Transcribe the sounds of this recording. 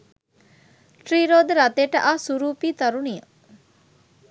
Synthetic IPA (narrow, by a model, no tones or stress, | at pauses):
ʈɾiːɾoːd̪əɾɐt̪eːʈəʔaːsuɾuːpiːt̪ɐɾunijɐ